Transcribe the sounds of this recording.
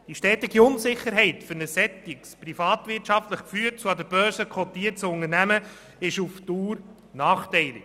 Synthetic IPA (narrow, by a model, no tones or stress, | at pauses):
d̥iʃtɛːtɪɡiʊnsɪχːəɾɦɛɪtfʏɾnəsɛt̪ːɪksprifɑːt̪vɪɾtʃɑftləχkfyːtt͡suɑd̪əɾb̥œːɾsəkʰɔt̪iːəɾt͡sʊŋəɾnæmə | ɪʃuftuːɾ | nɑːχtɛɪlɪ